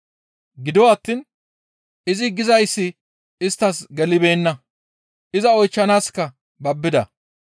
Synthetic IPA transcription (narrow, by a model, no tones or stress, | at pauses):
ɡɪd̪ɔwaːt̪ːiːn | ʔɪzɪɡɪzɐjsːɪ | ɪst̪ːɐsɡɛlɪbe̞ːnːɐ | ʔɪzɐɔjt͡ʃːɐnaːskːɐ | bɐbːɪd̪ɐ̰